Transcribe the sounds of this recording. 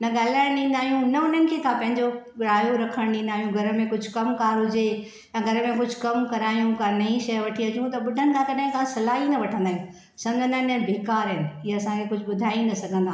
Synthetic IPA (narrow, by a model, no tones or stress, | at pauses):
nɐɠaːl̤aːɪ̃ɗĩːnd̪aːɦijũnɐʊn̤ənɪ̆kʰekʰãːpɐ̃ɦɪ̃ɲd͡ʑoɾaːjoɾɐkʰəɽ̃ĩːn̆d̪aːɦijũɡʱɐɾə̆mẽkʊd͡ʑʱʊkɐmkaːɾɦʊd͡ʑe | jãɡʱɐɾə̆mẽkʊd͡ʑʱʊkɐmkɐɾaːijũkãnɐĩʃɐʋɐʈʰiɐt͡ɕũt̪ɐɓʊɖʱənɪ̆kʰãkɐɗaɦɪ̃kʰãsɐlaːɦinɐʋɐʈʰə̃nd̪aːɦijũ | sɐ̃ŋɡʱə̃ndãnɐ̃bʱeːkaːɾəɦɪn̆iɐsãkʰekʊd͡ʑʱʊɓʊd̪ʱaːinɐsɐɡʱə̃nd̪ʱaː